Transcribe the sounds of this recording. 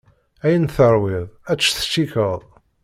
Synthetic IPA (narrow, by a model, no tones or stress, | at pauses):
æjənθəɾˤwɪðˤæt͡sːθə̥ʃːikəðˤ